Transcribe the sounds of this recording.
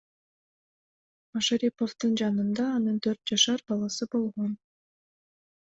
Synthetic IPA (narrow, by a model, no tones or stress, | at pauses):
maʃaɾʲipoft̪ɯnd͡ʒɑnɯnd̪ɑːnɯnt̪ʰøɾt̪̚d͡ʒɑʃɑɾbɑlˠɑsɯbo̞lˠʁo̞n